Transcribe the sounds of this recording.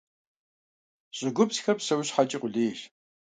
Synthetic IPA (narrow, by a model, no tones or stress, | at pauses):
ɕʼɪɡʷʊpsxɐpsɐwɕħat͡ʃʼɪqʷʼʊɮeːʃ